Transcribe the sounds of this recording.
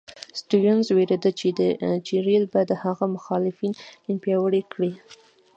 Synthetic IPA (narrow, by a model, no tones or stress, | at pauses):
sʈujənzweɾed̪ət͡ʃed̪ət͡ʃiɾilbajad̪əhaɣamʊxɑlɪfinɪnpjɑwəɽekɽi